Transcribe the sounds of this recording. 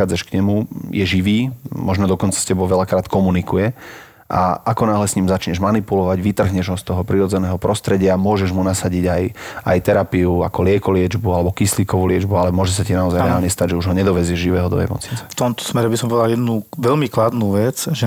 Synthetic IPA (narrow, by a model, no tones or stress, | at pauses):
aːd͡zaʃkɲɛmujɛʒiʋiːmɔʒnɔd̪ɔkɔnt͡sḁscɛbɔʊʋɛʎakɾaːt̪kɔmunikujɛ | ʔa̰ʔakɔnaːɦlɛsɲiːmzat͡ʃɲɛʒmanipulɔʋaɟʋit̪r̩ɦɲɛʒɦɔst̪ɔɦɔpɾiɾɔd͡zɛnɛːɦɔpɾɔst̪ɾɛɟɪamʊɔʒɛʒmunasaɟiɟajajt̪ɛɾapiuakɔlɪɛkɔlɪɛd͡ʒbualɛbɔkisliːkɔʋulɪɛd͡ʒbualɛmʊɔʒɛs̬acinaɔzajɾɛa̰ːlɲɛst̪aɟʒɛuʒɦɔɲɛd̪ɔʋɛzɪɛʒʒiʋɛːɦɔd̪ɔ̰ɛ̰mɔ̰t͡snit͡sɛ̥ft̪ɔmt̪ɔ̥smɛɾɛbisɔmpɔʋɛd̪aljɛd̪nuʋɛʎmiklad̪nuːʋɛt͡sʒɛ